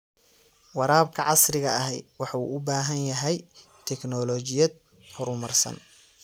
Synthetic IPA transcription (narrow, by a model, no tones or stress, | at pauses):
wɑɾaːbkʰɐʕɑsrɪɣɐɐɦɛjwɑħɑṵːʔʊbaːɦɐnjɐɦɛj | t̪ʰɛknɔlɔːt͡ʃɪjɐd̪̚ | hɔɾʊmɐrsɐ̰n